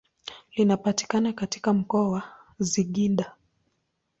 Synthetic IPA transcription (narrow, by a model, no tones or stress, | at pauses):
linapati̥kanakati̥kam̩kɔawa | ziɠinda